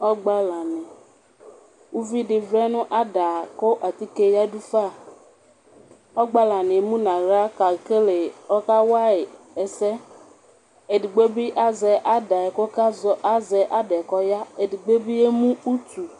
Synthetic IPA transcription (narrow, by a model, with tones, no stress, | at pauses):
ɔ˦ɡ͡ba˦la˨nɪ̃˨ | u˦vi˦dɪ˨vɾɛ˦nʊ̃˦ʔa˦da˨kʊ˦ʔa˨t̪i˦ke˦ja˦du˦fa˦˨ | ɔ˦ɡ͡ba˦la˨nɪ˨˦mũ˦nã˨ɣɾa˦ka˨ke˦le˨ɔ˦ka˦wa˦ɪ˨ | ɛ˨sɛ˦ | e˨di˨ɡ͡be˦bi˦ʔa˦zɛ˨ʔa˦da˨ɪ˨kʊ˦ka˦zɔ˦ʔa˦zɛ˨ʔa˦dɛ˨kɔ˦ja˦e˨di˨ɡ͡be˦bi˦e˦mũ˦u˦tu˨